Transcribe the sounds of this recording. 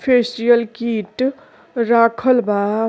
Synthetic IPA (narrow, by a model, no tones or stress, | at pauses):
pʰesʈijəlkiʈ | ɾakʰəlba